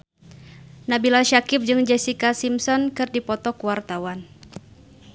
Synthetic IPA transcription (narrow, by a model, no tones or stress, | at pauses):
nabilaʃakɪp̚d͡ʒɨŋd͡ʒɛsikasimsɔnkɨrdipɔt̪ɔkuwart̪awan